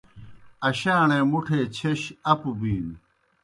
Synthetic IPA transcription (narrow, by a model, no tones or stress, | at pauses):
ɐɕaːneːmuʈʰeːt͡ɕʰeɕɐpubiːn